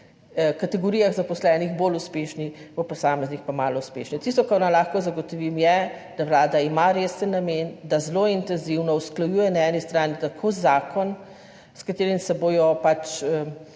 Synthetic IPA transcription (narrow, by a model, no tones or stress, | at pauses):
kat̪ɛɡɔɾiːjaɣzapɔslɛːnixboːluspeːʃniɔpɔsaːmɛznixpamaːlɔuspḛːʃnɛt̪ist̪ɔkaɾnalaxkɔzaɡɔt̪ɔʋimjɛ | d̪̥awlaːd̪aimaɾeːsənːameːnd̪azloint̪ɛnziwnɔusklajuːjɛnaɛnist̪ɾaːnit̪akʰoːzaːkɔn | skat̪eːɾimsɛboːjɔpat͡ʃə